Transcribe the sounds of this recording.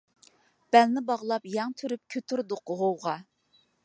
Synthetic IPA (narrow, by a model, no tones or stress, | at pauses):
b̥ælnɪbɑʁlˠɑpjɑŋt̪ʰyɾyp̚kʲʰøt̪ʰyɾd̪oqoʁowʁɑ